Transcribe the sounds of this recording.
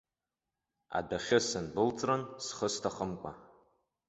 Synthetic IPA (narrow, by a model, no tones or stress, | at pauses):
a̰daχʲɪsɨnbɨlt͡sʼransχəstʰaχəmkʷʼa̰